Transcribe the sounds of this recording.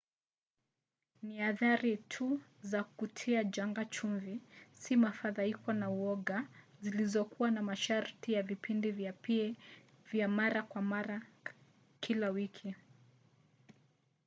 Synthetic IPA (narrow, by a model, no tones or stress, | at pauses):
niaðaɾitʰuzakukutʰiad͡ʒaŋɡat͡ʃuɱvisimafaðaikwɔnauɔɠazilizɔkuwanamaʃaɾtijavipʰindivi | vjamaɾakwamaɾa | kʰilawikʰi